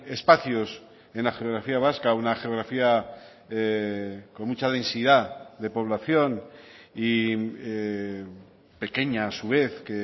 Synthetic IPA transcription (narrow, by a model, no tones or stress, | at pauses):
e̞spaθjo̞s | e̞nlaxeoɣɾafiaβ̞askaunaxeo̞ɣɾafia | eko̞nmut͡ʃaðẽ̞nsiðaðe̞po̞β̞laθjo̞nie | pe̞ke̞ɲaːsuβ̞e̞θke